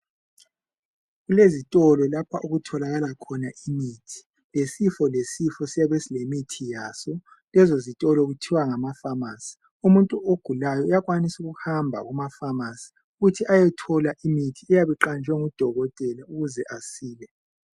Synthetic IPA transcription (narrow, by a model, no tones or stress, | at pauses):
ɣulezitʼɔlɔlapʰaʔuɣutʰɔlaɣalakʰɔnaʔimiːtʰi̥ | lesifɔlesifɔsijaβesilemitʰijaːsɔ | lɛzozitʼɔlɔɣutʰiwaŋamafamasi̥ | umuntʼuʔoɡ̥ʱulajɔjaɣwanisuɣuhambʱa̰ɣumafamasi̥ | uɣutʰiʔajɛtʰɔlaʔimitʰiɛjaβiǃand͡ʒʱɛŋud̥ʱɔɣɔtʼɛlauɣuzɛʔasiːlɛ